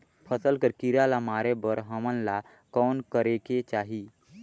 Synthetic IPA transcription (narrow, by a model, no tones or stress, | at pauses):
pʰəsəlkəɾkiɾalamaːɾebəɾɦəmənla | kɔːnkəɾeket͡ʃaːɦi